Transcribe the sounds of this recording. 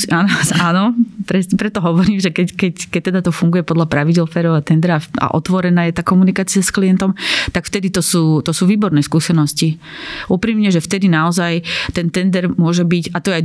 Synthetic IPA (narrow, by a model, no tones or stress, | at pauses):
aːnɔaːnɔpɾɛsɲɛpɾɛt̪ːɔɦɔʋɔɾiːmʒɛkɛckɛckɛc̚t̪ːɛd̪at̪ɔfuŋɡujɛpɔd̪lapɾaʋiɟɛlfɛɾɔʊat̪ɛnd̪ɛɾaaa̰ʔɔ̰t̪ʋɔɾɛnaːjɛt̪aːkɔmunikaːt͡siasklijɛnt̪ɔmt̪akft̪ɛd̪it̪ɔsuːt̪ɔsuːʋiːbɔɾnɛːskuːsɛnɔsci | ʔupɾiːmɲɛʒɛft̪ɛd̪inaɔzajt̪ɛnt̪ɛnd̪ɛɾmʊɔʒɛbicat̪ɔjɛaj